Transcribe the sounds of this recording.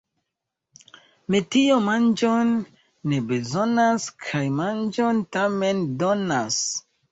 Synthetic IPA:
mitiomand͡ʒonː | ebezo̞naskʰajmand͡ʒontame̞ndo̞nas

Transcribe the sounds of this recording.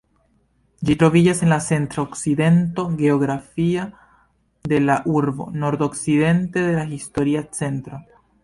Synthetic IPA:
d͡ʒit̪ɾoβiʝasenlasent̪ɾooksiðe̞nt̪o̞ɣeoɣɾafia | d̪elaʔuɾβo̰noɾt̪oksiðe̞nt̪eðe̞laxist̪oɾiat͡sent̪ɾo

